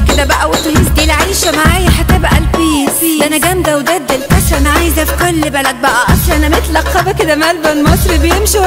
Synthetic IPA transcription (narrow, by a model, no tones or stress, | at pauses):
ked̪æbæʔæwet̪ːhielʕiːʃæmaʕaːjæħat̪ːæbæʔælfiiʔænæɡæmd̪æwd̪æd̪ːelkæt̪ɾæmaʕaːjzæfi̥kolːbælæd̪̚bæʔæʔɑsˤlɑʔænæmæt̪lɑqːɑbæked̪æmælbænmɑsˤɾibejemʃi